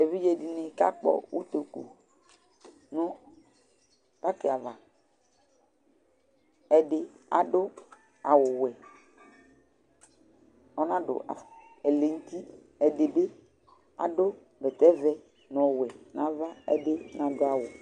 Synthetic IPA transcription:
e˨vi˦d͡ʒe˨di˨nɪ˨ka̰˦k͡pɔ̰˨wṵ˦t̪o˨kṵ˨ | nʊ̃˦ | ta˦kɪ˨a˨va˨ | ɛ˨dɪ˨a̰˨dʊ˦ | a˨wʊ˨wɛ˨ | ɔ˦nã˦dʊ̰˨ʔa̰˨ | ɛ˨le˨n̩˦t̪i˦ | ɛ˨de˨be˦ | a̰˨dʊ˦ | bɛ˨t̪ɛ˦vɛ˦ | nɔ˨wɛ˨nã˨va˦ɛ̰˦de˦nã˨dʊ˦a˨wʊ˨

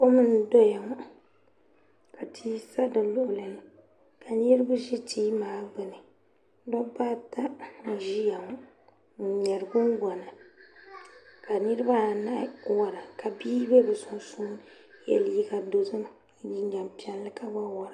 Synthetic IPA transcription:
ko˦mɨ˦n˦dɔ˦ja˨ŋ˦ | ka˨tʰiː˦sa˦dɨ˨lʊ˨ʔʊ˨lɨ˨nɨ˨ | ka˨ni˦ɾɨ˦ba˦ʒi˦tʰiː˦maː˨˦bɨ˨nɨ˨ | dɔ˦ba˦ta˦n̩˨ʒi˦ja˨ŋɔ˦ | n̩˨ɲɛ˨ɾɨ˨ɡʊ˦n˦ɡɔ˨na˨ | ka˨nɨ˦ɾɨ˦ba˦˨na˦wɔ˨ɾa˨ka˨biː˦be˦bɨ˨sʊ˨nsu˦n˨ | jɛ̰˨lji˦ɡa˨do˨zɨ˦m˦ | ji˦ɲa˨mpi˦ɛ˦lːɨ˦ka˦ba˦wɔ˨ɾa˨

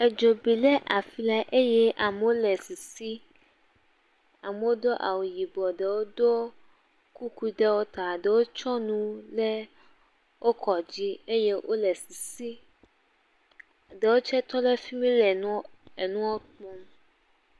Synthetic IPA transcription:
ɛ˨d͡ʒo˨bi˨lɛ˦ʔa˨fi˨la˦ʔe˦jɛ˦ʔa˨me˨wo˦lɛ˨si˨si˦ | a˨me˨wo˦d̪o˦ʔa̰˨wu˨ji˨bɔ˨ɖe˨wo˦d̪o˦ | ku˦ku˦i˦ɖɛ˦wo˦t̪a˨ɖe˨wo˦t͡ʃɔ˦nũ˦lɛ˦ | wʔo˦kʰɔ˨d͡ʑi˦e˦je˦ʔo̰˦lɛ˨si˨si˦ | ɖe˨wo˦t͡ʃɛ˦t̪ɔ˦lɛ˦fi˦mĩ˦lɛ˨ñ˦e˨nũ˦wo˦k͡pɔ˦m

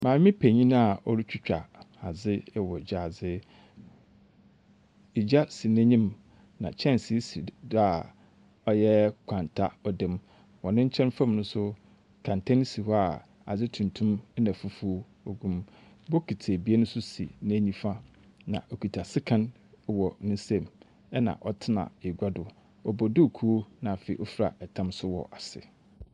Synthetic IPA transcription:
mã˨˦mɪ̃˦pʰæ˨ɲĩ˦ñ˦a˨ʔɔ˦ɾi˦t͡ɕᶣɪ˦t͡ɕᶣa̰˨ | a˨d͡zɪ˦wɔ˨d͡ʑᶣa˨d͡zɪ˦ | i˨d͡ʑa˦si˨næ̃˦ɲĩ˦m | nã̰˨t͡ɕʰɛ̃˦nsi˦si˨da˨ | ɔ˦jɛ˦kʷʰã˨ntʰa̰˦ɔ˨dɪ̃˦m | wɔ̃˨nɪ̃˦ɲ̩˦t͡ɕʰɛ̃˦n˦fã˦m˨nʊ̃˦sʊ˦ | kʰã˨n˨tʰã˦n˦si˨hɔ˦a˨ | a̰˨d͡ʑɪ˦tʰũ˨ntʰũ˦m˦nã˨fu˦fu˦ | o˨ɡũ˦m | bɔ˦kʰi˨tʰe˨bi˨˦e˦nʊ̃˦sʊ˦sḭ˨nɪ̃˦æ˨ɲĩ˦fa˦ | nã̰˨ʔɔ˨kʰi˨tʰa˨sɪ˦kʰã˦n˨ | wɔ˨nɪ̃˦sɛ̃˦m | ɛ˦nã̰˨ʔɔ˦tʰɪ˦nã̰˨e˨ɡʷa˦dʊ˨ | ɔ˨bɔ˨dʊ˦˨kʰu˦o˦nã˨fe˨i˨ʔɔ˦fɾa̰˨ɛ˨tʰã˦msʊ˦wɔ̰˨ʔa˨sɪ̰˨

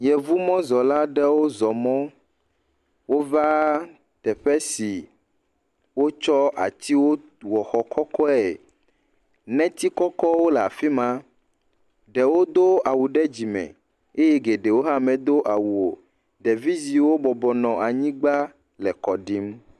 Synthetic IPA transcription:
jɛ˨vu˦mɔ̃˦zɔ˨la˦ɖɛ˦wo˦zɔ˨mɔ̃˦ | wo˦va˦ | t̪ɛ˨ɸɛ˦si˨ | wo˦t͡ʃɔ˦a̰˨t̪i˦wo˦ | wɔ˨xɔ˨kɔ˦kɔ˦ɛ˨ | nɛ̃˦t̪i˦kɔ˦kɔ˦wo˦lɛ˨a̰˨fi˦mã˦ | ɖɛ˨wo˦d̪o˦a˨wu˨ɖɛ˦d͡ʑi˨mɛ̰̃˨ | e˦jɛ˦ɡe˨ɖe˨wo˦ɦã˦mɛ̃˨d̪o˦ʔa˨wu˨o˨ | ɖɛ˨vi˦zi˨wo˦bɔ˨bɔ˨nɔ̃˨ʔa˨ɲĩ˦ɡ͡ba˦ | lɛ˨kɔ˨ɖi˦m

